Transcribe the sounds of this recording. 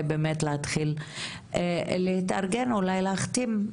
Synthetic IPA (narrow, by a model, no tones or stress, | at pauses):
jbeːmetleat̪χil | lehit̪a̰ʁɡenulajleaχt̪im